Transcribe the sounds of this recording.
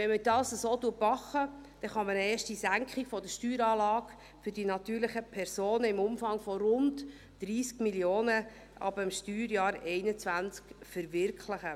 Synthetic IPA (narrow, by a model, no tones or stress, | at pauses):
ɛnmədɑːsəsoːtuətmɑχːəd̥ɛχɑmənɛːʃtisæŋkχikfɔdəʃtyːɾɑːlɑːɡ | fʏɾdinɑt̪yːɾlɪχəpʰɛɾsoːnəɪmʊmfɑŋfɔɾʊntː | ɾiːskmiljoːnə | ʔɑ̰bəmʃtyːɾjɑːɾɛɪnət͡sʋænt͡skfəɾvɪɾkʰlɪχə